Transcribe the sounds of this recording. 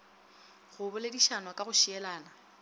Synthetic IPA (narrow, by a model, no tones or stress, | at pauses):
ɣʊbʊlɪdiʃanwakʼaɣʊʃiɛlaːna